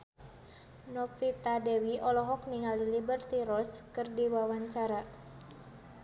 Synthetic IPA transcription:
nɔfit̪adɛwiʔɔlɔɦɔk̚niŋalilibərt̪iɾɔskərdiwawaɲt͡ʃaɾa

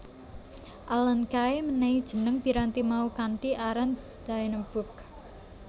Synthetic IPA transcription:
ʔalənkaeməneid̥ʒ̥ə̤nəŋpiɾant̪imaukaɳʈiʔaɾan | d̪̥ainəb̥ʊ̤k̚

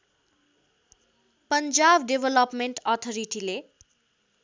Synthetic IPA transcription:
pʌnd͡zabɖebʱʌlʌpmeɳʈʌt̪ʰʌɾiʈile

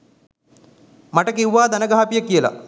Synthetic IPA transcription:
maʈəkiwːaːd̪ɐnəɡaɦapijəkijəla̰

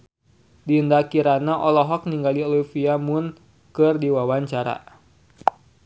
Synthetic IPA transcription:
diəndakiɾanaʔɔlɔɦɔk̚niŋɡaliɔlifiamun | kɨrdiwawaɲt͡ʃaɾa̰

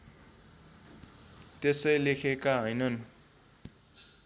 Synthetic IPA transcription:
t̪esʌjlekʰekaɦʌjnʌn

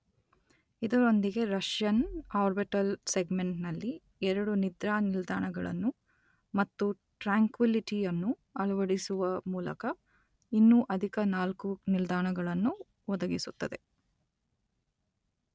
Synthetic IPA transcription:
id̪ɐɾond̪iɡe̞ɾɐʂjɐnaːɾbiʈɐlseɡmeɳʈnɐlːi | ɛɾɐɽunid̪ɾaːnild̪aːɳɐɡɐɭɐ̰nːu | mɐt̪ːu | ʈɾaːŋkʋiliʈijɐnːu | ɐɭɐʋɐɽisuʋɐmuːlɐ̰kɐ | inːuʔɐd̪ʱikɐnaːlkunild̪aːɳɐɡɐɭɐnːu | ʋɔd̪ɐɡisut̪ːɐd̪e̞

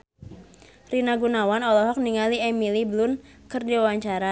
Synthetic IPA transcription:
rinaɡunawanɔlɔɦɔk̚niŋaliemiliblʊn | kɨrdiwawaɲt͡ʃaɾa

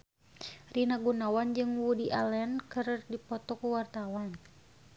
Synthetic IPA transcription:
rinaɡunawand͡ʒɨŋwudiʔalɛnkɨrdipɔt̪ɔkuwart̪awan

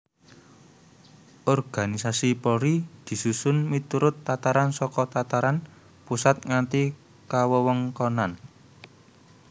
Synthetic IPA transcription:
ʔɔrɡ̥a̤nisasipɔɾid̪̥i̤susʊnmit̪uɾʊt̪ːat̪aɾansɔkɔt̪at̪aɾan | pusat̪̚ŋant̪i | kawəwəŋkɔnan

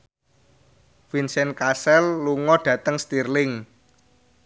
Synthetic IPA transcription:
finsɛnkasɛlːuŋɔɖ̥ä̤t̪əŋst̪irlɪŋ

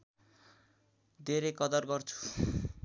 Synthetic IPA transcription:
d̪ʱeɾejkʌd̪ʌrɡʌrt͡sʰu̥

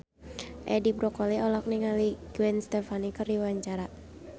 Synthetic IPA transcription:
ʔɛdibɾɔkɔliɔlɔk̚niŋaliɡ̥wɛnst̪ɛfanikərdiwaɲt͡ʃaɾa

